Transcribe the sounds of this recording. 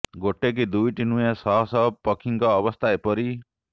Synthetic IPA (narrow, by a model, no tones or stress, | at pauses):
ɡoʈek̬id̪ujʈinujãsɔɦɔsɔpɔkʰiŋkɔːbɔst̪ʰaepɔɾi